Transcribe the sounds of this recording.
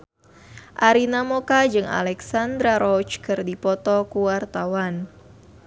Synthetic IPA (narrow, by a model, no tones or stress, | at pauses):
ʔaɾinamokad͡ʒɨŋa̰lɛksand̪ɾaɾɔt͡ʃkɨrdipɔt̪ɔkuwart̪awan